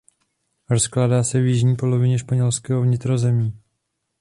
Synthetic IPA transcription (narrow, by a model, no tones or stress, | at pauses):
ɾosklaːdaːsɛvjɪʒɲiːpo̞lo̞vɪɲɛʃpaɲɛlskɛːɦovɲɪt̪ɾo̞zɛmiː